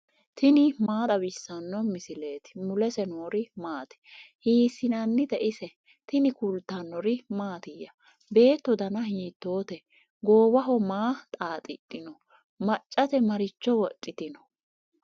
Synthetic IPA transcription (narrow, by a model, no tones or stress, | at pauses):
t̪ɪnɪmaːt̪ɐbɪsːɐnːɔmɪsɪle̞ːt̪ɪ̥mʊlɛsɛnoːɾɪmaːt̪ɛ̥hiːsɪnɐnːɪd̪ɛʔɪsɛ | t̪ɪnɪkʊlt̪ːɐnːɔɾɪmaːt̪ɪjːɐ | be̞ːt̪ːɔd̪ɐnɐɦiːt̪ːo̞ːt̪ɛ | ɡo̞ːwɐɦɔmaːt̪ʼaːt̪ʼɪ̰tʼːɪnɔ | mɐt͡ʃʼːɐt̪ɛmɐɾɪt͡ʃːɔwɔt͡ʃʼːɪt̪ɪnɔ̥